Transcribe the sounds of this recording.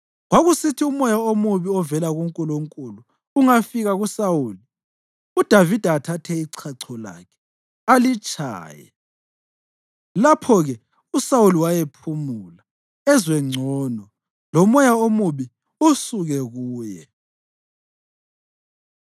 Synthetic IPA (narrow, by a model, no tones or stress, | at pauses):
ɣwaɣusitʰiumɔjaomuβiɔvɛlaɣuŋkʼuloŋkʼuluː | ŋafiɣaɣusawuːli | ud̥ʱavid̥ʱaːtʰatʰɛiǀʰaǀʰɔla̰kʰɛ̥ | alit͡ʃʼa̰ːjɛ̰ | lapʰɔɣɛ | usawuliwajepʰumula | ɛzwɛŋ͡ǀʱɔnɔ | lɔmɔjaomuβi | usuɣɛɣuːjɛ̰